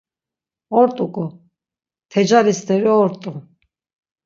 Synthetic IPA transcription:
ɔɾt̪ʼukʼɔ | t̪ʰɛd͡ʒalist̪ʰɛɾiɔɾt̪ʼu

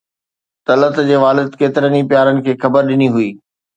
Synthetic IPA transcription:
t̪ɐlət̪d͡ʑeːʋaːlɪd̪keːt̪ɪɾənipjaːɾənɪ̆kʰeːxɐbəɾɗɪniɦʊiː

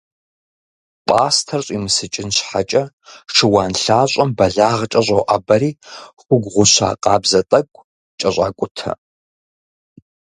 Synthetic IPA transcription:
pʼaːstʰɐrɕʼimɨsɨt͡ʃʼɪnɕħat͡ʃʼɐ | ʂɨwaːnɬaːɕʷʼɐmbɐɮaːʁt͡ʃʼɐɕʷʼɐwʔabɐɾiːxʷʊɡʷʁʷʊɕa̰ːqʼɑːbzɐtʼɐɡʷʼ | t͡ʃʼɐɕʷʼa̰ːkʷʼʊtʰɐ̰

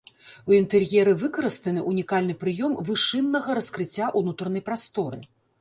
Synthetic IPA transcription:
uint̪ɛrjɛɾɨvɨkɐɾɨst̪ɐnɨʔunʲikalʲnɨpɾɨjɔmvɨʂɨnːɐɣɐɾɐskɾɨt͡sʲːaʔunut̪ɾɐnɐjpɾast̪ɔɾɨ̰

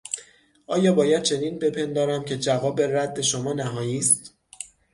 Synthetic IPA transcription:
ʔɒːjɒːbɒːjæd̪̚t͡ʃʰe̞niːnbe̞pʰe̞nd̪ɒːɾæmcʰe̞d͡ʒævɒːbe̞ræd̪ːe̞ʃomɒːnæɦɒːjiːst̪

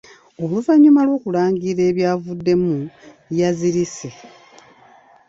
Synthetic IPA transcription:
o̞luvaɲumalwo̞ːkulaːŋɡiɾe̞ːβjaːvudːe̞mujaziɾise̞

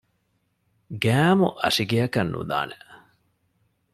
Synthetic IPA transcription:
ɡæːmuʔɐ̰ʂiɡeɐkɐnːṵd̪a̰ːne

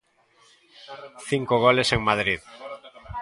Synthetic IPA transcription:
θiŋkoɣ̞oleseŋmað̞ɾið

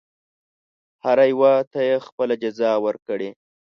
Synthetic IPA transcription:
haɾajwat̪ajexpəlad͡ʒazɑwəɾkəɽe

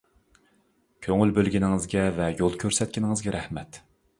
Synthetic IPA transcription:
kʲʰøŋylbølɡʲinɪŋɨzɡʲɛvɛjolˠkʲʰøɾsɛt̪̚kʲinɪŋɨzɡʲɛɾʔɛhmɛt̪

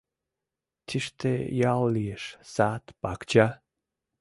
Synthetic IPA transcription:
t̪ʰiʃt̪ḛjallijeʃsat̪pakt͡ɕa

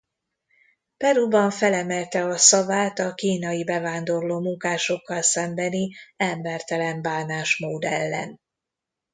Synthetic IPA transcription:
pɛɾubɒɱfɛlɛmɛlt̪ɛɒsɒvaːt̪ɒkiːnɒjibɛvaːnd̪o̞rloːmuŋkaːʃo̞kːɒlsɛmbɛniɛmbɛrt̪ɛlɛmbaːnaːʃmoːd̪ɛlːɛ̰n

